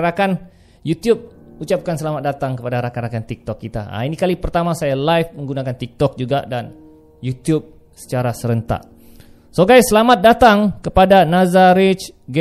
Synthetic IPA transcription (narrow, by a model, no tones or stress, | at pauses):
ɾakan | jut̪jub̚ut͡ʃap̚kansəlamat̪̚dat̪aŋkəpadaɾakaɾakant̪ik̚t̪ɔkːit̪a̰a̰inikalipərt̪amasajalajfmə̃ŋɡunakant̪ik̚t̪ɔk̚d͡ʒuɡa̰dan | jut̪jub̚ | sə̥t͡ʃaɾasəɾənt̪a̰ʔ | soɡajsəlamat̪̚dat̪aŋkəpadanazaɾit͡ʃɡ